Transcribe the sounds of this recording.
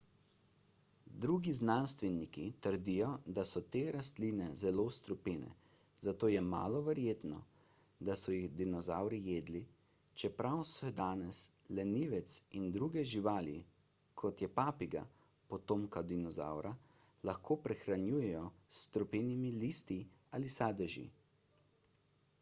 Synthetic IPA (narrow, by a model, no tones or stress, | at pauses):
d̪ɾuɡiznanst̪ʋɛnikit̪əɾd̪ijɔd̪asɔt̪eɾast̪liːnɛzɛlost̪ɾɔpeːnɛ̰ | zat̪oːjɛma̰ːlɔʋɛɾjeːt̪nɔ̰ | d̪asɔjiɣd̪inɔzawɾijeːd̪li | t͡ʃɛpɾawsɛd̪aːnɛslɛniːʋɛt̪sind̪ɾuɡɛʒiʋaːlḭ | kʰɔt̪jɛpaːpiɡa̰ | pɔt̪oːmkad̪inɔza̰wɾalaxkʰoːpɾɛxɾanjuːjɛjɔst̪ɾupeːnimiliːst̪iaːlisaːd̪ɛʒḭ